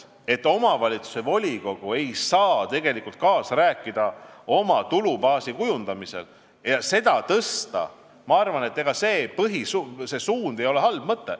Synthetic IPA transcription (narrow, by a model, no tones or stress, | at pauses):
e̞t̪ːo̞mɑvɑlʲit̪su̥se̞vo̞lʲiko̞ɡ̥ue̞jsɑːt̪e̞ɡe̞likult̪̚kɑːsræːkːˑid̪̥ɑo̞mɑt̪ulubɑːsikujund̪̥ɑmise̞̰l | jɑse̞d̪̥ɑt̪ɤst̪ɑ̰ | mɑɑrvɑne̞t̪ːe̞ɡ̥ɑseːpɤɦisuse̞suːnd̪e̞jo̞le̞ɦɑlb̥mɤt̪ːe̞̰